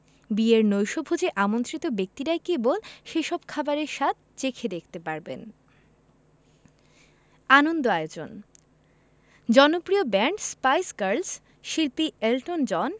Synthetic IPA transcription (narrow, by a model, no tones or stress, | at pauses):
bieɾnojʃobʱod͡ʑeʔamont̪ɾit̪obek̚t̪iɾaekebolʃeʃɔb̚kʰabaɾeɾʃat̪̚t͡ɕekʰed̪ekʰt̪epaɾbḛn | anond̪oaeod͡ʑo̰n | d͡ʑɔnopɾiobɛɳʈspajsɡaɾls | ʃilpielʈond͡ʑɔn